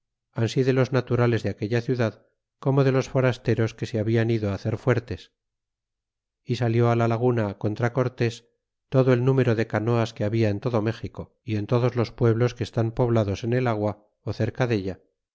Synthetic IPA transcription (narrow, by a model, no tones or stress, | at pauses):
ansiðelo̞znat̪uɾale̞zðeake̞ʎaθjuðað | ko̞mo̞ðe̞lo̞sfo̞ɾast̪e̞ɾo̞ske̞seaβianiðoaːθeɾfwe̞ɾt̪e̞s | isaljo̞alalaɣ̞unako̞nt̪ɾako̞ɾt̪e̞s | t̪o̞ðoelnume̞ɾo̞ðe̞kano̞askeaβiaent̪o̞ðo̞me̞xiko̞ | ie̞nt̪o̞ðozlo̞spwe̞β̞lo̞skeːst̪ampo̞βlaðo̞se̞ne̞laɣwa | oθe̞ɾkaðe̞ʎa